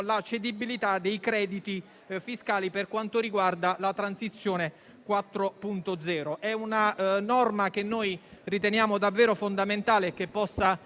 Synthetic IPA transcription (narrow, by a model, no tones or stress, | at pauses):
lat͡ʃːed̪ibilit̪ad̪ejkɾɛːd̪it̪i | fiskaːliperkwant̪oɾiɡward̪alat̪ɾansit̪sːjoːne | kwat̪ːɾopunt̪od̪zɛːɾoʔɛunanɔrmak̟enːoːjrit̪enjaːmod̪avːɛːɾofond̪ament̪aːleːk̟ːepːɔsːa